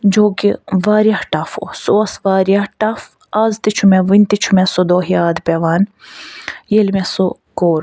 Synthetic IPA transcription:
d͡ʒoːkiʋaːɾijahʈɐfo̰soɐsʋaːɾijaʈɐf | aːzt̪it͡ʃʰumeʋinʲt̪it͡ʃʰumesod̪oːɦiaːd̪pʲeʋaːn | jelmeso | koːɾ

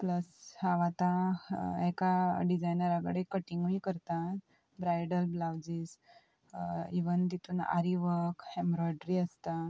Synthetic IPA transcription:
pləshaʋat̪ã | ɛkaɖid͡zajnəɾaɡɽekəʈiŋɡʋiːkəɾt̪a | bɾajɖəlblawd͡ziːs | iʋənd̪it̪uːna̰ɾiʋəkhɛ̃mbɾɔɖɾiəst̪a

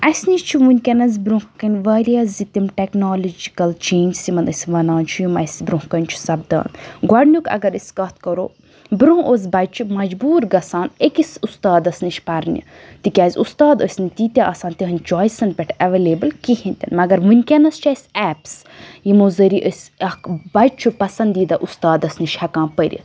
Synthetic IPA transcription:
ɐsʲniʃt͡ʃʰiʋunʲkʲɐnɐzʲbɾũkɐnʲʋɐːɾʲaːzit̪ʲimʈeknoːlod͡ʒi̥kɐlt͡ʃeːnʲd͡ʒsimɐnəsʲʋɐnaːnt͡ʃʰujumɐ̰sʲbɾũhkɐnʲt͡ʃʰu̥sɐb̚d̪a̰ːnɡɐɽnʲukɐ̰ɡɐɾəsʲkɐt̪ʰkɐɾo̰ː | bɾuɦoz̬ʲbɐjt͡ʃʰimɐd͡ʒbuːɾɡɐsaːnekisust̪aːd̪ɐsʲnit͡ʃʰpɐɾnʲḭ | t̪ikʲaːzʲust̪aːd̪əsʲnit̪it̪ʲaʔɐːsaːnt̪ʲiɦɨnʲt͡ʃɔːjsɐnpʲɛʈʰɐʋeːleːbɨlkihĩnʲt̪ʲɐ̰nmɐɡɐɾʋunʲkʲɐnɐst͡ʃaːsʲɛːps | jimozɐɾiʔəsʲɐkbɐt͡ʃʰupɐsɐnd̪iːd̪ɐʔust̪aːd̪ɐsniʃhɐkãːpəɾʲḭ

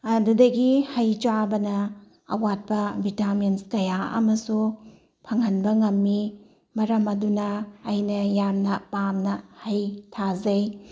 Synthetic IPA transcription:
ɐdudɐɡihɐjt͡ʃabɐnɐ | ɐ̰wat̚pɐbʱitamenskɐjaɐ̰mɐsu | pʰɐŋhɐnbɐŋɐmːi | mɐɾɐmɐdunɐːjnɐjamnɐpamnɐhɐjtʰazɐj

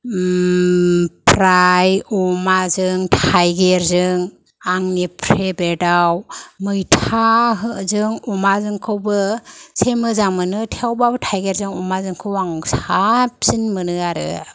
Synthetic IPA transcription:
pʰɾajɔmazɯŋtʰajɡeɾzɯŋ | aŋnipʰɾebedawmɯjtʰaɦɯzɯŋɔmazɯŋkʰɯwbɯsemɯzaŋmɯnɯtʰeawbabɯtʰajɡeɾzɯŋɔmazɯŋkʰɯwaŋsap̚z̥inmɯnɯaɾɯ̰

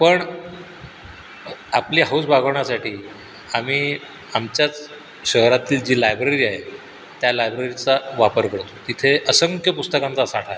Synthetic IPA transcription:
pəɳ | apliɦausbʱaɡʱəʋɳasaʈʰiː | amiː | amt͡ɕjat͡s | ɕəɦɾat̪iːld͡ʑiːlajbɾeɾiːaɦe | t̪jalajbɾeɾit͡saʋapəɾkəɽt̪ot̪it̪ʰeʔəsəŋkjəpust̪əkãnt͡sasaʈʰae

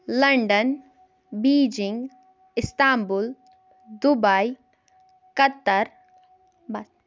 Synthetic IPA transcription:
lɐɳɖən | biːd͡ʒɪŋɡ | ɪst̪aːmbul | d̪ubai | kɐt̪ːəɾ | bɐ

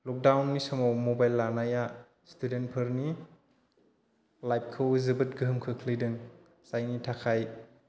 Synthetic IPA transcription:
lɔk̚dawnːisɔmowmobajlːanaja | studentpʰɯɾni | lajp̚kʰɯwzɯbɯt̚ɡɯɦɯmkʰɯkʰlijdɯŋ | sajnitʰakʰaj

